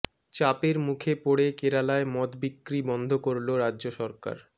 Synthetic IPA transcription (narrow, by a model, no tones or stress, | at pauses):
t͡ɕapeɾmukʰepoɽekeɾalaemɔt̪bikːɾibɔnd̪ʱokoɾloɾadːd͡ʑoʃɔɾka̰ɾ